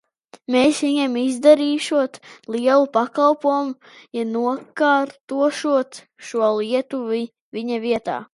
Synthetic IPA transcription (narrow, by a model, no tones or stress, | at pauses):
meːsʋiɲɛmizd̪aɾiːʃuɔt̪lˠiɛlˠupakalˠpuɔmu | januɔkaːɾt̪uɔʃuɔt̪ | ʃuɔlˠiɛt̪uvi | vʲiɲaviɛt̪a̰ː